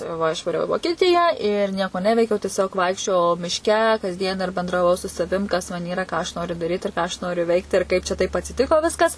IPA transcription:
ˈʋɐ ɪʃʋɐˈrʲɛʊ ɪ ʋoːkʲiɛˈtʲɪjæː ɪr ˈnʲiɛkoː ˈnʲæːʋʲɛɪkʲɛʊ tʲiɛˈsʲoːk ˈʋɐɪkʃʲt͡ʃʲoːjɛʊ mʲɪʃʲˈkʲɛ kɐzʲˈdʲiɛn ɪr bʲɛndrɐˈʋɐʊ sʊ sɐˈʋʲɪm ˈkɐs mɐn ˈiːrɐ ˈkɑː ɐʃ ˈnoːrʲʊ dɐˈrʲiːt ɪr ˈkɑː ɐʃ ˈnoːrʲʊ ˈʋʲɛɪkt ɪr ˈkɐɪp t͡ʃʲɛ tɐɪp ɐtʲsʲɪˈtʲɪkoː ˈʋʲɪskɐs

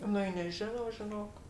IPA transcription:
ˈnʊ ɪ nʲɛˈʒʲɪnɐʊ ʒʲɪˈnoːk

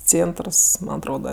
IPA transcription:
ˈt͡sʲeːntrs mɐn ɐtˈroːdɐ

